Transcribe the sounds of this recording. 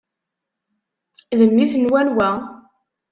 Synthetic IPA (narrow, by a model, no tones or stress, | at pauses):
ðəmːisnwænwæ